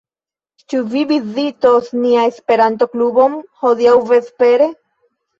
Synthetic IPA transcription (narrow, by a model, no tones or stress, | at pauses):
t͡ʃuvivizitosniaespe̞ɾant̬o̞klubo̞mhodiawve̞spe̞ɾe̞